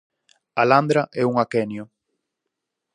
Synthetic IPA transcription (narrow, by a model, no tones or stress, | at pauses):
aland̪ɾaʔɛuŋakɛnjʊ